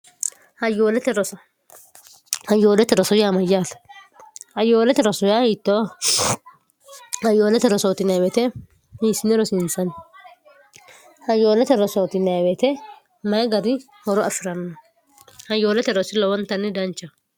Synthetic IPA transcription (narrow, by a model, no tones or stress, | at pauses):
hɐjoːlɛt̪ɛɾɔsɔ | hɐjːoːlɛt̪ːɛɾɔsɔjamɐjat̪ɐ̥ | hɐjoːlɛt̪ɛɾɔsɔjahiːt̪ːɔ | hɐjːoːlɛt̪ɛɾɔsoːt̪ɪnɐwɛt̪ɛ | miːsɪnɛɾɔsɪnsɐn | hɐjːoːlɛt̪ɛɾɔsoːt̪ɪnɐjwɛt̪ɛ | mɐjɡɐɾɪ | hɔɾɔʔɐfɪɾɐnɔn | hɐjːoːlɛt̪ɛɾɔsɪlɔwɔnt̪ːɐnːɪd̪ɐnt͡ʃːɐ